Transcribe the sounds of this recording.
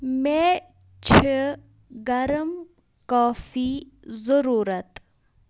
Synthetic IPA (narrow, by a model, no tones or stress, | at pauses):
me | t͡ʃʰə | ɡɐɾəm | kaːfiː | zəɾuːɾɐt̪